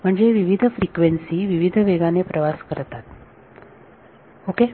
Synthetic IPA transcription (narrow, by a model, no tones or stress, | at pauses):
m̤əɳd͡zeʋiʋid̪ʱəfɾikʋensiːʋiʋid̪ʱəʋeɡanepɾʔəʋaskəɾt̪at̪ | oke